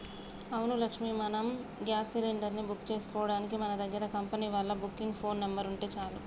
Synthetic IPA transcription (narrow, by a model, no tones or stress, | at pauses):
ɐwnulɐkʂmimɐnɐm | ɡjaːsiliɳɖɐɾnibukːt͡ʃe̞ːsu̥kɔːʋɐɽaːnik̬imɐnɐd̪ɐɡːɐɾɐkɐmpɐniːʋɐɭːɐbukːiŋɡpʰo̞ːnːɐmbɐɾuɳʈe̞ːt͡ʃaːlu